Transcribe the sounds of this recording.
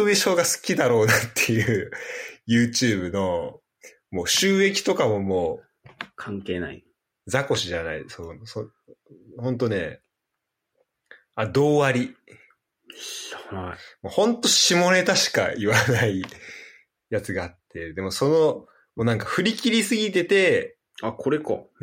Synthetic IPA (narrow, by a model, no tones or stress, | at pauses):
obiɕo̞ɡasɨ̥kʲid̪aɾo̞ːnat̪ʰːe̞jɯːjɯ̟ːt͡ɕɨːbɯ̟no̞ | mo̞ːɕɨːe̞kʲi̥t̪o̞kamo̞mo̞ː | kʰãŋke̞ːna̰ḭ | d͡zako̞ɕiʑana̰ḭsoso | hõ̞nt̪o̞ne̞̰ | ad̪o̞ːaɾʲi | moːhõ̞nt̪o̞ɕimo̞ne̞t̪aɕi̥ka̰iβanai | jat͡sɨɡaːt̪ːe̞d̪e̞mo̞so̞no̞ | monãŋkaɸɯ̟ɾʲikʲiɾʲisɨɡʲit̪e̞t̪e̞ | akʰoɾeka